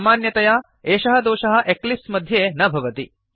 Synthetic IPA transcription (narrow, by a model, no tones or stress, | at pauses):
maːnjɐt̪ɐja | eːʃɐɦɐ̆d̪oːʃɐɦɐ̆ʔeklipsmɐd̪ʱjeːnɐbʱɐʋɐt̪i